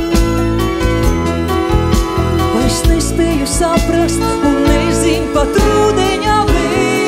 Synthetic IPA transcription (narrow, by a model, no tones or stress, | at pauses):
esnɛspʲɛːjusapɾast̪ | unːɛziɲʲpat̪ɾuːd̪ɛɲaːvɛ